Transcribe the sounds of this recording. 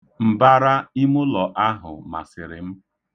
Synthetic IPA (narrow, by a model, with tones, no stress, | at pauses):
m̩˨ba˦ɾa˦i˦mʊ˦lɔ˨ʔa˦ɦʊ̰˨ma̰˨sɪ˨ɾɪ˨m̩˦